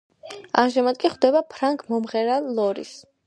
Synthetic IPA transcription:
a̰mʒamad̪̚kʼiχd̪ɛbapʰɾaŋkʰʼmɔmʁɛɾalɔɾḭs

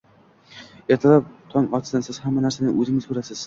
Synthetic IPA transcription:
eɾt̪ʰɨlˠɑp̚t̪ʰɒŋɒt̪sd̪ansɪzhæmːænæɾsænɪʔɵzɪŋɪzkʰɵɾæsɪz̥

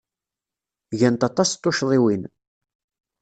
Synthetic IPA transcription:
ʝænt̪ɑt̪ˤɑst̪ːoʃðˤɪwin

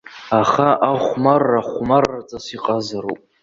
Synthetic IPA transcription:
aχaʔaχʷmarːaχʷmarːat͡sʼasiqʼazaɾo̰pʼ

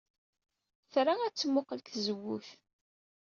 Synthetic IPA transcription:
θɾaæt͡sːmʊqəlkzəwːuθ

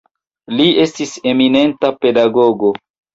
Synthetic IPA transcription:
lie̞stise̞mine̞ntape̞daɡo̞ɡo̞

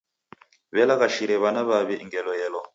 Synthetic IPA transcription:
βɛlakaʃiɾɛβanaβaβɛʔŋɡɛlɔjɛlɔ

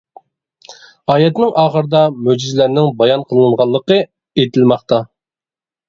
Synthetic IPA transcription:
ɑːjɛt̪nɪŋʔɑːχəɾɨd̪ɑmød͡ʒizlæɾnɪŋbɑjɑnqʰəlˠɨɴʁɑlˠːəqə | et̪ʰɪlmɑχt̪ɑ

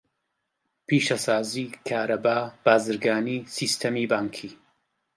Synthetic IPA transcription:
piːʃɐsaːziːkʰaːɾɐbaːb̥aːzɨɾɡaːniːsiːst̪ʰɐmiːbaːŋkʰiː

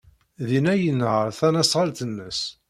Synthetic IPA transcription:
ðinæjənːʕəɾˤθænæsʁɑlt̪ənːəs

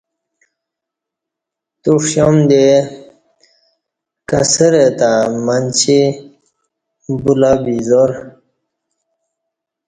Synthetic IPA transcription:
t̪uʂɕomd̪e | kasəɾet̪amant͡ɕʰi | bulabizoɾ

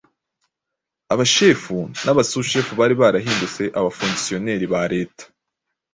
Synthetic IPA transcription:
aβaʃe̞ːfunaβasuʃe̞ːfuβaːɾiβaːɾaɦiːndut͡se̞ʔaβafuŋɡsio̞ne̞ːɾiβaɾe̞ːtḁ

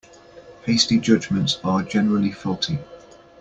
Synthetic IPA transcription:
heɪstid͡ʒʊd͡ʒmə̃ntsəd͡ʒɛnəɹəlifɪlˠtʰi

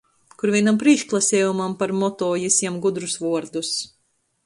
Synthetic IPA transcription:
kuɾvʲiɛnampɾiʃklˠasʲɛːjumampaɾmɔt̪ɔːjisʲɛmɡud̪ɾusvuɔɾd̪us

